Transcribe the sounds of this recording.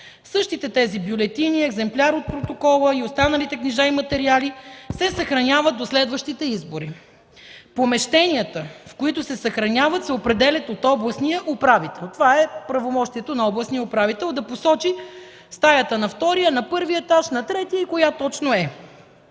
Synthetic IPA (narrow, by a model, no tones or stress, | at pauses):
sɤʃt̪it̪ɛt̪ɛzibjʊlɛt̪iniɛɡzɛmplʲaɾot̪̚pɾot̪okɔlˠəiost̪anəlit̪ɛkniʒaimɐt̪ɛɾialisɛsɐxɾɐnʲavət̪̚d̪oslɛd̪vəʃt̪it̪ɛizboɾi | pomɛʃt̪ɛniət̪əfkoit̪ʊsɛsɐxɾɐnʲavət̪sɛopɾɛd̪ɛlʲət̪ot̪ɔblˠɐsnijəʔupɾavit̪ɛlˠt̪ovaɛpɾɐvomɔʃt̪iɛt̪onɐɔblˠɐsnijəopɾavit̪ɛlˠd̪ɐposɔt͡ʃi | st̪ajət̪ənɐft̪ɔɾijənɐpɤɾviɛt̪aʃnɐt̪ɾɛt̪ijəikojat̪ɔt͡ʃnoɛ